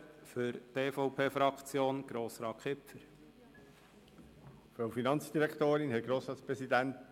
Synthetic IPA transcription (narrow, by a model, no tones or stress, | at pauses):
fʏɾteːfɔʊpʰeːfɾɑkt͡sjoːnɡ̥ɾoːsɾɑːkʰɪpfəɾ | fɾoʊfinɑnt͡sd̥iɾɛkʰt̪oːɾɪnɦɛt̚ɡ̥ɾoːsɾɑːt̪t͡spɾɛsid̪ænt